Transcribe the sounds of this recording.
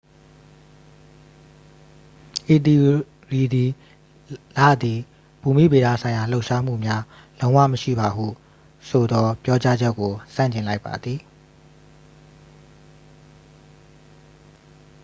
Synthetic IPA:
ʔe˨t̪i˨ | ɹi˨d̪i˨ | lä̰˦˨d̪i˨ | pu˨mḭ˦˨be˨d̪a̰˦˨sʰã˨ɪ̃ja˨l̥o˦ʊʔʃa˦m̥ṵ˦˨mja˦ | lõ˦ʊ̃wa̰˦˨məʃḭ˦˨ba˨ɦṵ˦˨ | sʰo˨d̪ɔ˦pjɔ˦t͡ɕa˦d͡ʑɛ˦kːo˨sã̰˦˨ɲt͡ɕɪ̃˨la˦ɪpːa̰˨d̪ði˨

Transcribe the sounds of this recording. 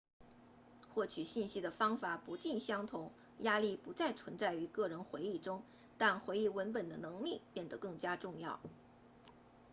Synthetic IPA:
xwɔ˥˩t͡ɕʰy˨˩ɕi˥˩nɕi˥d̪ə˨fɑ˥ŋfa˨˩pu˧˥t͡ɕi˥˩nɕjɑ˥ŋt̪ʰʊ˧˥ŋ | ja˥li˥˩pu˧˥t͡sa˥˩ɪt͡sʰwə˧˥nt͡sa˥˩ɪy˧˥kɤ˥˩ɻə˧˥nxwe˧˥ɪi˥˩ʈ͡ʂʊ˥ŋ | t̪a˥˩nxwe˧˥ɪi˥˩wə˧˥npə˨˩nd̪ə˦nɤ˧˥ŋli˥˩pjɛ˥˩nd̪ə˩˦kɤ˥˩ŋt͡ɕja˥ʈ͡ʂʊ˥˧ŋjɑ˥˩ʊ

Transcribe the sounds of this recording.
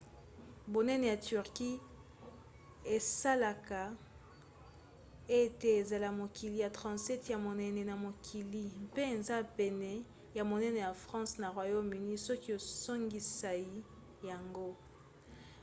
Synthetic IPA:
bo˨nɛ˦ne˨ja˨ty˨ʁki˦ | e˨sa˦la˨ka˨ | e˦te˨e˨za˨la˨mo˨ki˨li˨ja˨tʁɑ̃˨sɛ˦tja˨mo˨nɛ˨nɛ˨na˨mo˨kʰi˨li˦mpe˦e˨nza˦pɛ˨nɛ˨ | ja˨mo˨nɛ˦ne˨ja˨fʁɑ̃˦sna˨ʁwa˨jo˦my˨ni˦sɔ˦ki˦o˨so˦ŋɡi˨sa˨i˦ | ja˨ŋɡo˦

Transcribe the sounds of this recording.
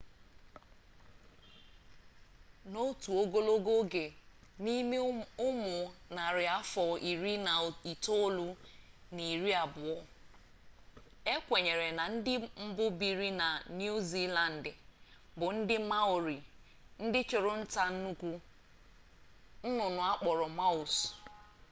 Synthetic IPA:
no˦tu˨o˦ɡo˦lo˦ɡo˦ɡe˨ni˦me˦ʊ˦mʊ˨na˨ɾɪ˨a˦fɔ˨ʔi˨ɾi˦na˨i˨to˦lu˦ | ni˨ɾi˦a˨bʊ˨ɔ˦ | e˦kʷe˨ɲe˨ɾe˨na˨n̩˦dɪ˦m̩˦bʊ˦bi˨ɾi˦na˨nju˦zi˦la˨n̩˨dɪ˨bʊ˨n̩˦dɪ˦ma˦ʊ˨ɾi˨ | n̩˦dɪ˦t͡ʃʊ˨ɾʊ˦n̩˦ta˦n̩˦nu˦kʷu˦ | n̩˦nʊ˨nʊ˨a˦k͡pɔ˨ɾɔ˨ma˦ʊ˨s

